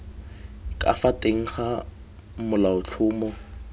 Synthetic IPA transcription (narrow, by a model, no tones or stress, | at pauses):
kʼa̰fatʼeŋ̩χa | mʊlaʊt͡ɬʰʊːmɔ